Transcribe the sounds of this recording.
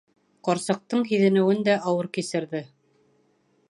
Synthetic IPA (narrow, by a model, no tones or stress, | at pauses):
qɑɾsɑ̆q̚t̪ɤɴɦiðɘ̆nɘ̆wɘnd̪æʔɑwɤɾkisɘ̆ɾðɘ